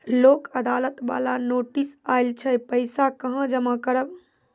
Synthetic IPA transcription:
loːkəd̪alət̪ba̰lanoːʈisajlt͡ʃʰɛpəɪsakəɦə̃d͡ʒəmakəɾəb

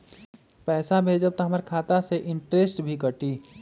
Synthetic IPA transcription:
pɛːsabʱeːd͡ʒəb̚t̪oɦɐməɾkʰaːt̪aseʔɪ̃ɳʈɾesʈbʱikəʈiː

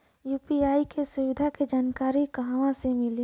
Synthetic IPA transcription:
juːpiaːikesʊʋɪd̪ʱaked͡ʒaːnkaːɾikɐɦaʋãsemɪle

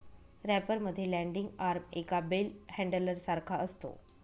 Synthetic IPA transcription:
ɾɛpəɾməd̪ʱːjelɛ̃ɳɖiŋɡaɾmekabelhɛ̃ɳɖələɾsaɾkʰaʔəst̪o̰

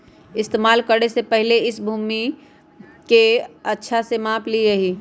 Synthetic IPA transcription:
ɪst̪eːmaːlkəɽesepɛɦleɪsbʱuːmi | keɐtːʃʰasemãːpliɾɐɦiː

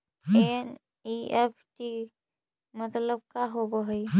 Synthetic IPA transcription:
en | iepʰʈi | mət̪ləb̚kaɦobɔɦɔj

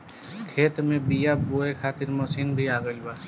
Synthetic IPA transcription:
kʰeːt̪mẽbijaboːekʰaːt̪ɪɾmɔsiːnbʱiaːɡəibaː

